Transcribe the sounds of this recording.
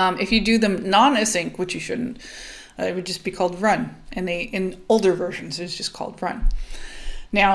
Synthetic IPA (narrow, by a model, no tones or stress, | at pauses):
ɨfjɨdɨðɨ̃mnɑ̃nɨsɪ̃ŋkwɨt͡ʃjɨʃʊdⁿn̩t | ɪwɨd̚d͡ʒʌsb̥ikʰɔlˠd̚ɹʌ̃nʔɨ̃nðiʔɨ̃noʊlˠdə˞vɜ˞ʃɨ̃n̩zɨɾzd͡ʒʌskʰɔ̰lˠd̚ɹʌ̰̃nː | aʊ